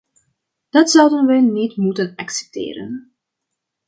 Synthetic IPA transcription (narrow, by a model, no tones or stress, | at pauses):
d̥ɑtsʌwdənʋɛnitmutənɑksɛ̥p̚tḛːɾə̰n